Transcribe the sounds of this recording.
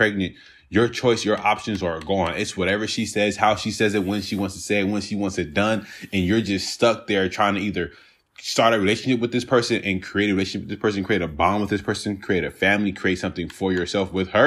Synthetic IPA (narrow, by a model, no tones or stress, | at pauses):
pʰɹ̥ɛɡ̚nɨ̃nt | jə˞t͡ʃʰɔɪsjə˞ʔɑpʃɨ̃nzə˞ɡɔ̃nɪtswʌɾɛvə˞ʃisɛz̥haʊʃisɛzɨt̚wə̃nʃiwɑ̃ntstʰɨseɪwə̃nsʃiwɑ̃ntsɨt̚d̥ʌ̃nɨ̃njə˞d͡ʒʌststʌk̚ðə˞tʰɹ̥aɪɪ̃ŋtʰɨiðə˞ | stɑɹɾɨɹileɪʃɨ̃n̩ʃɪp̬̚wɨðɪspʰɜ˞sɨ̃nʔɨ̃nkʰɹ̥ieɪɾɨɹileʃɨn̩ʃɪp̚ðɪspʰɜ˞s̬ɨ̃nkʰɹ̥ieɪɾɨbɑ̃mwəðɪspʰɜ˞sɨ̃nkʰɹ̥ieɪɾɨfæ̃mlikʰɹ̥ieɪtsʌ̃mθɪ̃ŋfə˞jə˞sɛlˠfwɪð̥ə˞